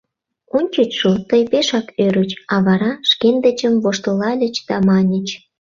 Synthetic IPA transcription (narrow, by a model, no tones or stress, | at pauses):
onʲt͡ɕət͡ɕʃot̪əjpeʃɑkøɾət͡ɕɑβɑɾɑʃkend̪ət͡ɕəmvoʃt̪əlɑlʲə̆t͡ɕd̪̥ɑmɑnʲə̆t͡ɕ